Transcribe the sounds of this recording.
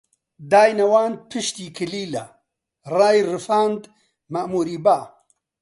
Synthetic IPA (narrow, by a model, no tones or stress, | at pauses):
d̪aːjnɐwaːnd̪̚pʰɨʃt̪iːkʰɨliːla | raːjrɨfaːnd̪ | mɐʔmuːɾiːbaː